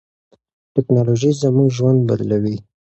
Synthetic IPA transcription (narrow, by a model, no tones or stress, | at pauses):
ʈɪknɑloʒizamuɡʒwand̪̚ba̰llawi